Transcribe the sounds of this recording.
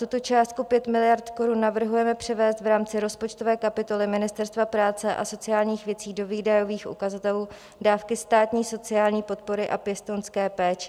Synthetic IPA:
t̪ut̪o̞t͡ʃaːst̪̚kupjɛt̪mɪlɪjaɾt̪ko̞ɾunːavr̩ɦujɛmɛpr̝̥ɛvɛːst̪vɾaːmt͡sɪɾo̞spo̞t͡ʃt̪o̞vɛːkapɪt̪o̞lɪmɪnɪst̪ɛɾst̪vapɾaːt͡sɛʔa̰so̞t͡sɪjaːlɲiːxvjɛt͡siːdo̞viːdajo̞viːxʔṵkazat̪ɛluː | daːfkɪst̪aːt̪ɲiːso̞t͡sɪjaːlɲiːpo̞t̪̚po̞ɾɪʔapjɛst̪onskɛːpɛːt͡ʃɛ̥

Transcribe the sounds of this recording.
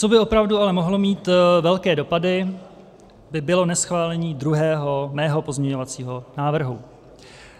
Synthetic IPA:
t͡so̞bɪo̞pɾavdualɛmo̞ɦlo̞miːt̪vɛlkɛːdo̞padɪ | bɪbɪlo̞nɛsxvaːlɛɲiːd̪ɾuɦɛːɦo̞mɛːɦo̞po̞zɲɛɲo̞vat͡siːɦo̞naːvr̩ɦṵ

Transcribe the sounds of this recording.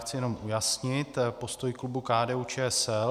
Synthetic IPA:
xt͡sɪjɛno̞mʔujasɲɪt̪po̞st̪o̞jklubukaːdɛːut͡ʃɛːɛsɛl

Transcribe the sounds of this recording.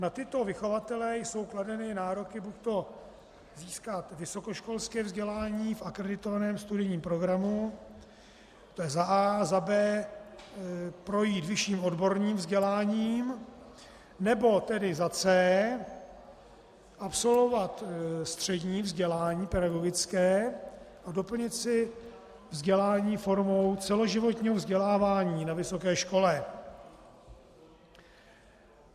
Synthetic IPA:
nat̪ɪt̪o̞vɪxo̞vat̪ɛlɛjso̞wkladɛnɪnaːɾokɪbuct̪o̞ | ziːskat̪vɪso̞ko̞ʃko̞lskɛːvzɟɛlaːɲiːfʔakɾɛdɪt̪ovanɛːmst̪udɪɲiːmpɾo̞ɡɾamu | t̪ojɛzaʔaːzabɛː | pɾo̞jiːt̪vɪʃiːmʔo̞dbo̞ɾɲiːmvzɟɛlaːɲiːm | nɛbo̞t̪ɛdɪzat͡sɛː | ʔapso̞lvo̞vat̪st̪r̝̥ɛdɲiːvzɟɛlaːɲiːpɛdaɡo̞ɡɪt͡skɛːʔado̞pl̩ɲɪt̪sɪ | vzɟɛlaːɲiːfo̞ɾmo̞wt͡sɛlo̞ʒɪvo̞t̪ɲiːɦovzɟɛlaːvaːɲiːnavɪso̞kɛːʃko̞lɛ

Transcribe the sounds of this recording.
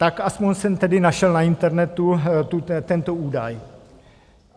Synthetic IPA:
t̪akaspoɲsɛmt̪ɛdɪnaʃɛlnaɪnt̪ɛɾnɛt̪ut̪ut̪ɛnt̪ouːdaj

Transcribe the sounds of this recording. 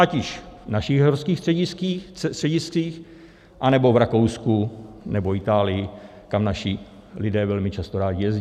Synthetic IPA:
acɪʃnaʃɪɣɦoɾskiːxsr̥ɛɟɪskiːr̥ɛɟɪsiːx | ʔanɛbo̞vɾakowskunɛboɪt̪aːlɪjɪ | kamnaʃɪ | lɪdɛːvɛlmɪt͡ʃast̪oɾaːɟɪjɛz

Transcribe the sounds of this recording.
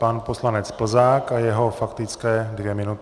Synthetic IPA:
panposlanɛt͡spl̩zaːkajɛɦo̞fakt̪ɪt͡skɛːdvjɛmɪnut̪

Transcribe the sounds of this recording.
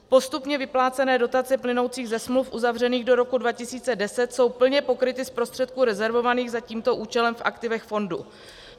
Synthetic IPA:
po̞st̪upɲɛvɪplaːt͡sɛnɛːdo̞t̪at͡sɛplɪno̞wt͡siːɣzɛsmlufʔuzavr̝ɛniːɣdo̞ɾo̞kudvacɪsiːt͡sɛdɛsɛt̪so̞wpl̩ɲɛpo̞kɾɪt̪ɪspɾo̞st̪r̥ɛt̪̚kuːɾɛzɛɾvo̞vaniːɣzaciːmt̪o̞ʔuːt͡ʃɛlɛmfʔa̰kt̪ɪvɛxfo̞ndṵ

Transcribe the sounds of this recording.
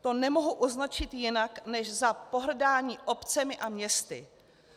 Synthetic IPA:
t̪o̞nɛmo̞ɦuʔuznat͡ʃɪt̪jɪnaknɛʃzapo̞ɦr̩daːɲiːʔo̞pt͡sɛmɪʔamɲɛst̪ɪ̰

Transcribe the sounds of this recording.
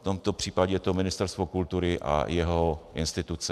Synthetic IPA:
t̪omt̪opr̝̥iːpaɟɛjɛt̪omɪnɪst̪ɛɾst̪vo̞kult̪uɾɪʔa̰jɛɦoʔɪ̰nst̪ɪt̪ut͡sɛ

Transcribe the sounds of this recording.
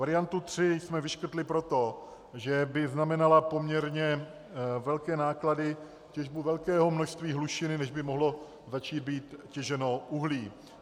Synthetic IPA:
vaɾɪjant̪ut̪r̝̥ɪsmɛvɪʃkr̩t̪lɪpɾo̞t̪o̞ | ʒɛbɪznamɛnalapo̞mɲɛɾɲɛ | vɛlkɛːnaːkladɪ | cɛʒbuvɛlkɛːɦo̞mnoʃst̪viːɦluʃɪnɪnɛʒbɪmoɦlo̞ | zat͡ʃiːd̪̚biːt̪cɛʒɛno̞ʔuɦliː

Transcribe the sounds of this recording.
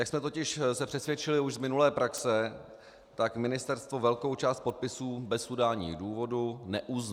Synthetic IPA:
jaksmɛt̪o̞cɪʃsɛpr̝̥ɛsvjɛt͡ʃɪlɪuʒzmɪnulɛːpɾaksɛ | t̪akmɪnɪst̪ɛɾst̪vo̞vɛlko̞wt͡ʃaːst̪po̞t̪̚pɪsuːbɛsudaːɲḭːduːvo̞dunɛʔuz

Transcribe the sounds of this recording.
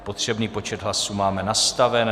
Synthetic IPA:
po̞t̪r̝̥ɛbniːpo̞t͡ʃɛd̪ɦlasuːmaːmɛnast̪avɛn

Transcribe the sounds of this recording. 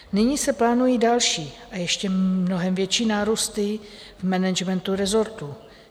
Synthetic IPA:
nɪɲiːsɛplaːnujidalʃiːʔajɛʃcɛmnoɦɛmvjɛt͡ʃiːnaːɾust̪ɪ | vmɛnɛd͡ʒmɛnt̪uɾɛzo̞ɾt̪u

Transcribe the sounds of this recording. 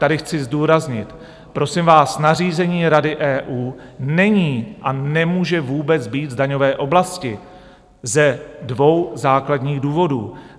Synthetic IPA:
t̪adɪxt͡sɪzduːɾazɲɪt̪ | pɾo̞sɪmvaːsnariːzɛɲiːɾadɪʔɛːʔuː | nɛɲiːʔanɛmuːʒɛvuːbɛt͡sbiːt̪zdaɲo̞vɛːʔo̞blascɪ | zɛdvo̞wzaːkladɲiːɣduːvo̞dṵː

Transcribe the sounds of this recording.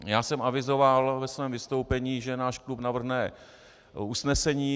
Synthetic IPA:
jaːsɛmavɪzo̞valvɛsvɛːmvɪst̪o̞wpɛɲiːʒɛnaːʃklupnavr̩ɦnɛ | usnɛsɛɲiː

